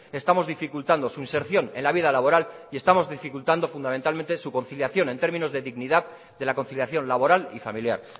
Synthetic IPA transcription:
e̞st̪amo̞zðifikult̪and̪o̞suinse̞ɾθjone̞nlaβið̞alaβ̞o̞ɾalie̞st̪amo̞zðifikult̪and̪o̞fund̪ament̪alme̞nt̪esuko̞nθiljaθjo̞ne̞nt̪e̞ɾmĩno̞zðeðiɣniðað | d̪e̞lako̞nθiljaθjo̞nlaβo̞ɾalifa̰milja̰ɾ

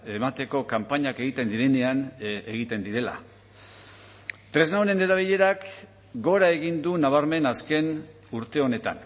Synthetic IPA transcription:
e̞mat̪e̞ko̞kampaɲake̞ɣit̪e̞nd̪iɾe̞ne̞aneɣit̪e̞nd̪iɾe̞la̰ | t̪ɾe̞znawne̞ne̞ɾaβ̞iʎe̞ɾak | ɡo̞ɾae̞ɣind̪unaβ̞aɾme̞naske̞n | uɾt̪e̞o̞ne̞t̪a̰n

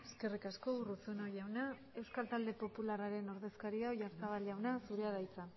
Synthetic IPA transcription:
e̞ske̞rikasko̞urusunojawna | e̞wskalt̪ald̪e̞po̞pularaɾe̞no̞ɾðe̞skaɾiawʝaɾt͡saβ̞alʝawnasuɾeað̞ajt͡sa

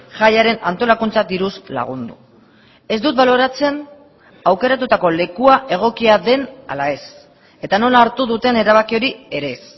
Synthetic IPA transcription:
ʝajaɾe̞nant̪o̞lakunt͡sad̪iɾusla̰ɣ̞und̪u | e̞zd̪ut̪̚βalo̞ɾat͡se̞n | awke̞ɾat̪ut̪ako̞le̞kuaʔe̞ɣ̞o̞kiaðe̞na̰lae̞s | e̞t̪ano̞laːɾt̪uðut̪e̞ne̞ɾaβ̞akio̞ɾie̞ɾe̞s

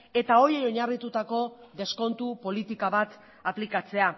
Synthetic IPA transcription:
e̞t̪ao̞jejo̞ɲarit̪ut̪ako̞ðe̞sko̞nt̪upo̞lit̪ikaβat̪ | aplikat͡se̞a

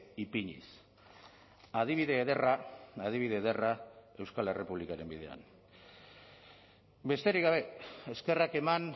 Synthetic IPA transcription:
ipiɲḭs | að̞iβ̞iðe̞ːðeraaðiβiðe̞ːðe̞rae̞wskale̞re̞puβlikaɾe̞mbið̞e̞a̰n | be̞st̪e̞ɾikɡaβ̞e̞eske̞rake̞man

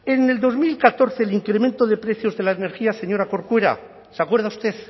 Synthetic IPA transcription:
e̞ne̞ld̪o̞zmilkat̪o̞ɾθe̞liŋkɾemẽ̞nt̪o̞ðe̞pɾe̞θjo̞zðe̞laene̞ɾxiaseɲo̞ɾako̞ɾkweɾa̰ | seakwe̞ɾð̞aust̪e̞θ

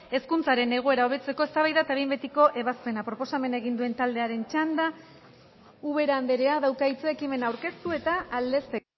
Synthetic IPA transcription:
e̞skunt͡saɾe̞ne̞ɣ̞oe̞ɾao̞βe̞t͡se̞ko̞e̞st̪aβajðat̪aβjmbe̞t̪iko̞ʔe̞βaspe̞napɾo̞po̞same̞nae̞ɣ̞ind̪ue̞nt̪ald̪e̞aɾe̞nt͡ʃand̪a | uβe̞ɾaːnd̪e̞ɾe̞aðawkait͡seekime̞nawɾke̞st̪ue̞t̪aːld̪e̞st̪e̞

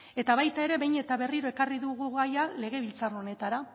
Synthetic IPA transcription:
e̞t̪aβajt̪ae̞ɾe̞βe̞jɲe̞t̪aβe̞riɾo̞e̞kariðuɣuɣajale̞ɣ̞e̞βilt͡saro̞ne̞t̪aɾa

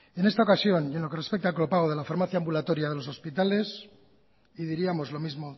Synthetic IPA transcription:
e̞nest̪aokasjo̞nje̞nloke̞re̞spek̚t̪alklo̞paɣ̞o̞ð̞e̞lafaɾmaθjaːmbulat̪o̞ɾjaðe̞losospit̪ale̞s | iðiɾiamo̞zlo̞mizmo̞

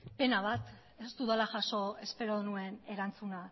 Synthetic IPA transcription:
pe̞naβ̞at̪ | e̞st̪uðalaʝaso̞e̞spe̞ɾoðnue̞ne̞ɾant͡suna

